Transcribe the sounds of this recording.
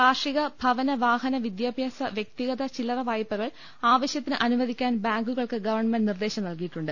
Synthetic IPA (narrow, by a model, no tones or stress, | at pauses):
aːʂiɣɐbʱɐʋɐnɐʋaːɦɐnɐʋid̪jaːbʱjaːsɐʋjek̚t̪iɣɐðɐt͡ɕilɐrɐʋaːjɐpːɐɣɐɭ | aːʋɐɕjɐt̪ːinɨʔɐnuʋɐd̪ʱikʲːaːnbaːŋɡuɣɐɭkɨɡɐʋɐrɳmenɖnird̪e̞ːɕɐmnɐlkijiʈːuɳɖɨ